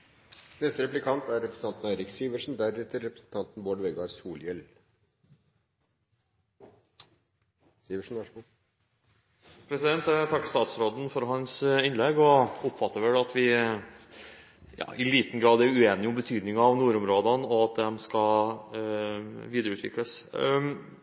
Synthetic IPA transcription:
nɛst̪əɾɛplɪkʰɑnt̪æɾɛpɾnɑnt̪n̩æɪɾɪksiːʋəʂn̩d̪æɾʉːt̪əɾɛpɾə̥sn̩t̪ʰɑnt̪nboːɖʋɛɡɑɾsuːljɛl | siːʋəʂn̩ʋɑʂu | pʰɾɛsɪd̪ɛnt̪t̪ʰɑkːst̪ɑːt̪sɾoːd̪ən̩fɔɾɦɑnsɪnlɛɡɔʊpːfɑt̪ːəɾʋɛlɑt̪ʰʋɪ | jɑ̰ːʔɪliːt̪n̩ɡɾɑːd̪æɾʉeːnɪʊmbət̪ʰyːd̪nɪŋɑʋnuːɾʊmɾoːd̪ɑnɔɑt̪̚d̪ɛmskɑl | ʋiːd̪ɾʉːt̪ʋɪ̰kləs

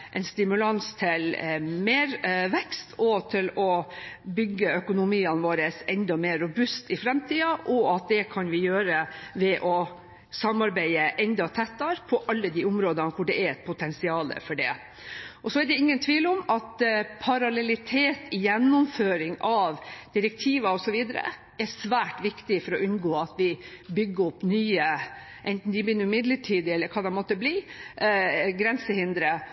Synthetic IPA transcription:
ʔɛɪnst̪ɪmʉlɑnst̪ʰɪlmeːɾʋɛkst̪ʰɔt̪ʰɪlɔbʏɡːəœkʊnʊmiːɑnʋoːɾəsɛnd̪ɔmeːɾːʊbʉst̪ɪfɾɛmt̪ʰiːɑʔɔɑt̪̚d̪ɛkʰɑnʋɪjøːɾəʋɛʔɔ | sɑmɑɾbæɪəʔɛnd̪ɑt̪ʰɛt̪ːɑɾpʰɔʔɑlːəd̪iːʊmɾoːd̪ənkʰʊɖɛæɛt̪̚pʰʊt̪ʰɛnsɪɑːlə̰fɔɖɛ̰ | ʔɔsɔæɖɛɪŋːənt̪ʰʋiːlɔmɑt̪pʰɑɾɑlɛlɪt̪ʰeːt̪ɪjɛnːʊmføːɾɪŋʔɑʋd̪̥ɪɾɛk̚t̪ʰiːʋɑɔsɔʋiːd̪əɾə̰ | ɛɾsʋæːʈʋɪkt̪ɪfɔɾɔʔʉnɡoːɑt̪ʋɪbʏɡːəɔpːnyːə | ʔɛnt̪n̩d̪ɪbɪnːʉmɪd̪ləʈʰiːd̪ɛlːəɾkʰɑːd̪ɛmɔt̪ːəbliː | ɡɾɛnsəhɪnd̪ɾə

